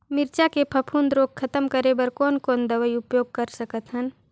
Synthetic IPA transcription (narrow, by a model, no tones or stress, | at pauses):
mɪɾt͡ʃakepʰɐpʰuːnd̪ɾoːɡ̚kʰɐt̪əmkəɾebəɾkoːnkoːnd̪ɐʋəiʊpjoːɡ̚kəɾsəkət̪ɦən